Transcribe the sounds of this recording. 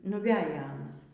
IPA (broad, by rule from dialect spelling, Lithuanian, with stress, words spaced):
nʊˈʋʲæːjɛ ˈɑːnɐs